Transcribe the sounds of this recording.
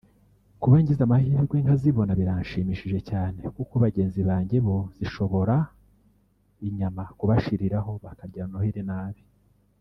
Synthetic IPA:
kuβaiɲɟizamahiːɾɡwe̞ŋhaziβo̞naβiɾaɲʃimiʃiʒe̞caːne̞kukoβaɟe̞ːnziβaːɲɟeβo̞z̥iʃo̞βo̞ɾa | iɲamakuβaʃiɾiɾaho̞βakaɾɟanohiɾenaːβi

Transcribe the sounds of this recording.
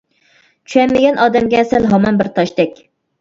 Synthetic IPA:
t͡ʃʰyɛmːɪɡʲɛnʔɑːd̪ɛmɡʲɛːsɛlɦɑmɑnbɪɾt̪ʰɑʃt̪ɛkʲ

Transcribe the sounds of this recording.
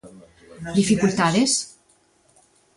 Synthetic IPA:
d̪ifikult̪aðes

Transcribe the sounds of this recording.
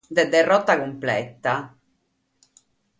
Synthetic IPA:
d̪ɛd̪ːɛrːɔt̪ːakumplɛ̰t̪ːa

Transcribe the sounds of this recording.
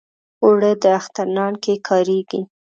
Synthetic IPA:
oɽəd̪əaxt̪aɾnɑɳkekʰɑɾeɡi

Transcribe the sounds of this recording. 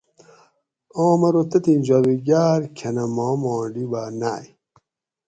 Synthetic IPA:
oːmɐɾot̪ɐt̪ind͡ʑawiɡaːɾkʰɐnɐmɔːmɔːɳɖibaːnaːj

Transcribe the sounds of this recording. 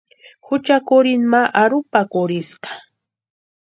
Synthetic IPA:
hʊt͡ʃakʊɾɪnmaʔaɾʊpakʊɾɪsɢḁ

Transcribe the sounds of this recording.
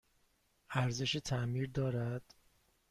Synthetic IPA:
æɾze̞ʃet̪ʰæmiːɾd̪ɒːɾæd̪̥

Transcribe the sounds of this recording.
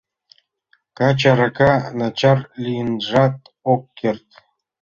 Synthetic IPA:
kat͡ɕaɾakanat͡ɕɑrlʲinʐɑt̪ | okːerʲt̪ʲ

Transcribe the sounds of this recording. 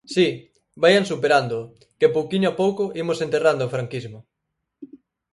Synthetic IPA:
si | bajansupeɾand̪ʊ | kepowkiɲoapowkʊʔimosent̪erand̪oofɾaŋkizmʊ

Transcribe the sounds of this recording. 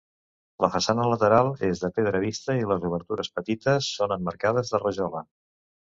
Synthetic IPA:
ləfəsanələt̪əɾalˠezðəpeðɾəβ̞ist̪əiləzuβ̞əɾt̪uɾəspət̪it̪əsːonəmːəɾkað̞əzðərəʒɔlə

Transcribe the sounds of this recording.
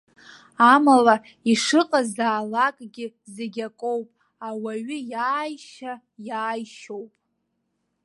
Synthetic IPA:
amala | iʂɨqʼazaːlakʼɡʲɪzeɡʲakʷʼowpʼ | awaɥɪjaːjʃa | jaːjʃowpʼ

